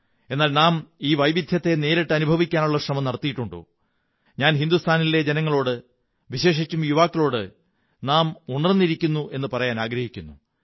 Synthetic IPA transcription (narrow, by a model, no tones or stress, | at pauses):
e̞nːaːlnaːmiːʋɐjbid̪ʱjɐt̪ːe̞ne̞ːɾiʈːɨɐnubʱɐʋikʲːaːnuɭːɐkrɐmɐmnɐrɐt̪ːijiʈːuɳɖo̰ | ɲaːnɦind̪ust̪ʰaːnilːe̞d͡ʑenɐŋːɐɭo̞ːɽɨ | ʋiɕe̞ːʂit͡ɕʲːumjuʋaːkːɐɭo̞ːɽɨ | naːmuɳɐrnːiɾikʲːunːuʔe̞nːɨpɐrɐjaːnaːɡɾɐhikʲːunːu